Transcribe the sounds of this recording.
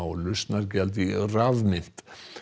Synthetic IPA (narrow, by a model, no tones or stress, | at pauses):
ɔlʏst̪naɾc̬ɛlt̪̬iraðmɪn̥t̪